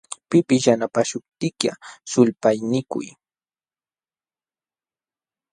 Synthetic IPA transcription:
pɪpɪsjanapaʃʊp̚t̪ɪkja̰sʊlpajnɪkʊ̰j

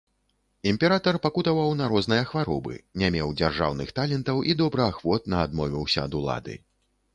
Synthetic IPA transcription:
imʲpʲɛɾat̪ɐrpakut̪ɐvɐwnɐɾɔznɨjɐxvaɾɔ̰bɨ̰nʲamʲɛwd͡zʲarʐa̰wnɨxt̪alʲɛnt̪ɐwʔid̪ɔbɾɨaxvɔt̪nɐad̪mɔvʲiwsʲɐːd̪ulˠa̰d̪ɨ̰

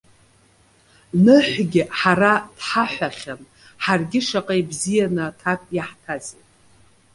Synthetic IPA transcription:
nɨħʷɡʲɪħaɾad̥ħaħʷaχʲan | ħarɡʲɪʂaqʼejbzijanɨtʰapʼjaħtʰazet

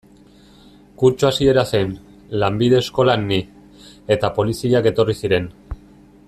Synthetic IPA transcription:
kuɾt͡ʃuasie̞ɾase̞n | lambiðe̞sko̞lanːi | e̞t̪apo̞lisiake̞t̪o̞risiɾe̞n

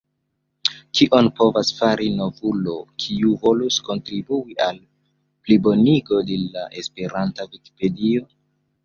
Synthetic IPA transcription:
kiʔo̞npo̞vasfaɾino̞vulo̞kʰiuvo̞lusko̞ntɾibuial | plibo̞niɡo̞delaʔespe̞ɾantaviki̥pe̞dio̞

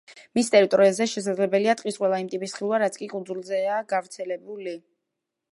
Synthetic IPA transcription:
mist̪ʼɛɾit̪ʼɔɾiazɛʃɛs̬ad̪zlɛbɛliat̪ʼqʼisqʼwɛlˠaimt̪ʼipʼisχilˠvaɾat̪sʰkʼikʼund̪zulˠzɛaɡavɾt̪sʰɛlɛbuli

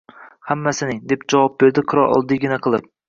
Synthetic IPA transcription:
hamːasɪnɪŋd̪e̞pd͡ʒɒvɑp̚be̞ɾd̪ɪqʰɨɾɒlʔɒ̰lˠd̪ɪɡʲɪnaqʰɨlˠɪp̚

